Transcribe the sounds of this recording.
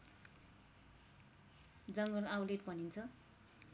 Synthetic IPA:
d͡zʌŋɡʌlawleʈbʌnint͡sʰʌ

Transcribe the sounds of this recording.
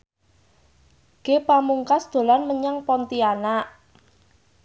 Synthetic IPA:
ɡ̥epamuŋkasd̪̥o̤lanməɲaŋpɔnt̪ianaʔ

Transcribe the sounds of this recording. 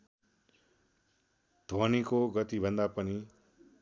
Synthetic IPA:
d̪̥ʱwənikoɡʌt̪ibʱʌ̃nd̪apəni

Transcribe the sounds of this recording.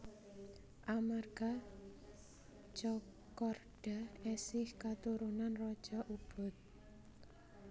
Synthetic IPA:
ʔamarɡ̥a | t͡ʃɔ | kɔrɖ̥a̤ɛsɪhkat̪uɾunanrɔd̥ʒ̥ɔ̤ʔub̥ʊ̤t̪̚

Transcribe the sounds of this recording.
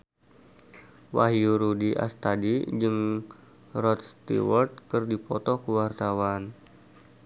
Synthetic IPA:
waɦiuɾudiʔa̰st̪adid͡ʒɨŋ | rɔt̪̚st̪ḭwɔrt̪̚kɨrdipɔt̪ɔkəwart̪awan

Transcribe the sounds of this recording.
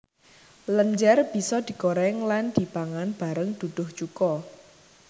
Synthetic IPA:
ləɲd͡ʒɛrb̥i̤sɔd̪̥i̤koɾɛŋland̪̥i̤paŋanb̥a̤ɾəŋd̪̥ud̪̥ʊht͡ʃukɔ

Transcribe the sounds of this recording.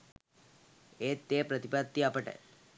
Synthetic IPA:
et̪ːepɾət̪ipat̪ːiapəʈḛ

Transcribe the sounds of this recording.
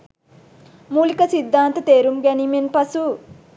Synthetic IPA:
muːlikɐsid̪ʱːaːnt̪ɐt̪eːɾumɡɐnimenpɐsu

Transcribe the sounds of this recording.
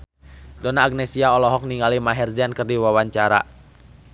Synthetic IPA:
dɔnaːɡ̚nɛsiaɔlɔɦɔk̚niŋɡalimaɦɛrziankərdiwawaɲt͡ʃaɾa̰

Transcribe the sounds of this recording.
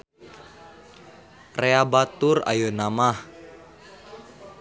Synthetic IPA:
reabat̪ʊra̰jonamah

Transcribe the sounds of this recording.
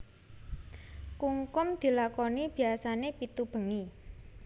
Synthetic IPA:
kuŋkʊmd̪̥i̤lakɔnib̥i̤asanepit̪ub̥ə̤ŋi

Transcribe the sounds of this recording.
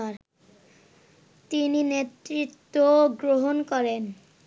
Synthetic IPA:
aɾ | t̪ininet̪ːɾit̪ːoɡɾoɦonkɔɾen

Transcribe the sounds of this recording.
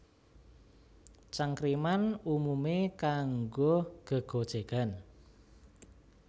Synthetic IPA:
t͡ʃaŋkɾimanumumekaŋɡoɡ̥ə̤ɡ̥o̤d̥ʒ̥e̤ɡ̥a̤n

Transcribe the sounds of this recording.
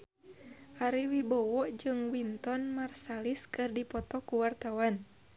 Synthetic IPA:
ʔaɾiwibɔwɔʔd͡ʒɨŋwint̪ɔnmarsaliskɨrdipɔt̪ɔkuwart̪awan

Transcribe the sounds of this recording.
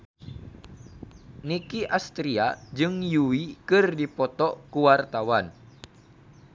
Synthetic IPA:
nikiʔast̪ɾiad͡ʒɨŋjuwikɨrdipɔt̪ɔkuwart̪awan

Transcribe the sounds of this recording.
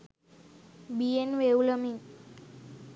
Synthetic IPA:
bienʋewləmi

